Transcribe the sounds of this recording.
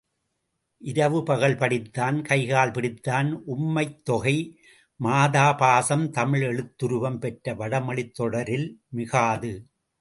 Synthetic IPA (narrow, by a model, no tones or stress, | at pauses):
ʔɪɾɐʋɯpɐɣɐɭpɐɽɪt̪ːaːnkɐɪɣaːlpɪɽɪt̪ːaːnʔʊmːɐɪt̪ːɔɣɐɪ | maːðaːpaːsɐmt̪ɐmɪɭɛɻɯt̪ːɯɾɯʋɐmpɛʈrɐʋɐɽɐmɐɭɪt̪ːɔɽɐɾɪlmɪɣaːðɯ